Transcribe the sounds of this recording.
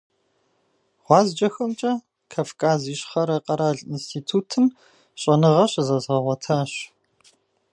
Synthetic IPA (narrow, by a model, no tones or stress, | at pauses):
ʁʷɑːzd͡ʒʼɐxɐmt͡ʃʼɐ | kʰaːfkʰaːziːɕʼχɐɾɐqʼɐɾaːɮinstʰiːtʰuːtʰɨn | ɕʼɐnɨʁɐɕzɐzʁɐʁʷɔtʰɐɕ